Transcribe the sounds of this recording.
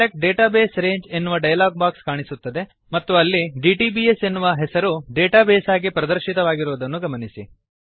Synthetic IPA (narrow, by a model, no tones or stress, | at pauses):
ek̚ʈ̚ɖeːʈaːbeːsɾe̞ːɲd͡ʒe̞nːuʋɐɖɐjɐlaːɡ̚baːkskaːɳisut̪ːɐd̪e̞ | mɐt̪ːuɐlːiɖiːʈiːbiːese̞nːuʋɐɦɛsɐɾuɖeːʈaːbeːsaːɡipɾɐd̪ɐɾʃit̪ɐʋaːɡiɾuːd̪ɐnːuɡɐmɐnisi